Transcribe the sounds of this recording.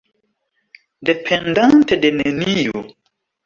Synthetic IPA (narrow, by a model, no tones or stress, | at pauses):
depʰendantedenenio̰